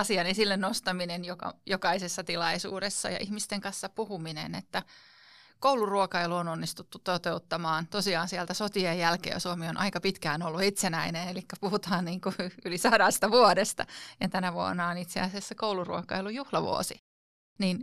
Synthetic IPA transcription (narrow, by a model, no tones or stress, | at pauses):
ɑsiɑnensilːennost̪ɑminenjokɑ̰jokɑisesːɑt̪ilɑisṵːɾesːɑ̰jɑ̰ʔihmist̪eŋkɑnsːɑpuhuminḛnet̪ːæ | kouluruokɑiluononːist̪ut̪ːut̪t̪ot̪eut̪ːɑmɑːnt̪osiɑːnsiælt̪æsot̪iejjælkḛːsuomionʔɑ̰ikɑpit̪kæːnolːuit̪senæinenelikːæpuhut̪ɑːnniːŋkuylisɑɾɑst̪ɑʋuodest̪ɑ̰jɑt̪ænæʋuo̰nːɑonit̪sḛɑsesːɑkoulurṵokɑ̰ilujuhlɑʋṵo̰si | niːn